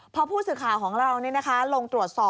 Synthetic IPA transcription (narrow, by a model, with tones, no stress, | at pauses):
pʰɾɔ˧˥pʰuː˥˩sɯː˨˩kʰaː˨˩wkʰɔː˩˦ŋɾa˧wniː˦˥˨na˦˥kʰa˦˥lo˧ŋt̪ɾu˨˩ət̪̚sɔː˨˩